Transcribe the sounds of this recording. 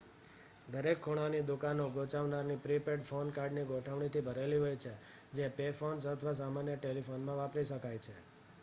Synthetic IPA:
d̪əɾekʰːoɽ̃anid̪ukanoɡot͡ʃaʋnaɾnipɾipeɖfonkaɾɖniɡoʈʰəʋɳ̃it̪ʰibʱəɾeliɦojt͡ʃʰe | d͡ʒepefons̬ət̪ʰʋas̬amanjəʈelifonmãʋapɾiʃəkajt͡ʃʰe

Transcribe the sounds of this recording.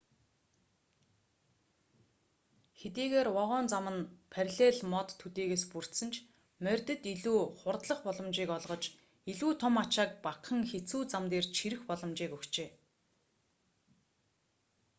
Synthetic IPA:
xet̪iːɣeːrɔʁɔːnt͡samə̆npʰærʲɮeːɮmɔt̪ʰːɵt̪iːɣeːspur̥t̪sɘ̆nt͡ɕʰ | mœrʲt̪ɘ̆t̪iɮuːχʊrt̪ɮə̆χpɔɮɞ̆mt͡ɕiːkɔɮʁɞ̆t͡ɕ | iɮuːt̪ʰɔmat͡ɕaːk̚paqə̆ŋxet͡suːt͡samt̪eːrt͡ɕʰiɾɘ̆xpɔɮɞ̆mt͡ɕiːkɵkt͡ɕeː

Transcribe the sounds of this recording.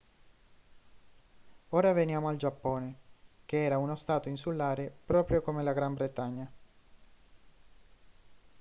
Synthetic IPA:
oːɾavenjaːmoald͡ʒapːɔːnek̟eɛːɾaunost̪aːt̪oinsulːaːɾepɾɔːpɾjokomelaɡɾambɾet̪aɲːa

